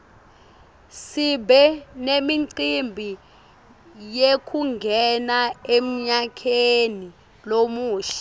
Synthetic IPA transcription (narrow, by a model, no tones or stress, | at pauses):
sibɛnemiǀimbʱi | jekʰuŋɡʱɛnaem̩ɲakʰeni | lomuːɬɛ̥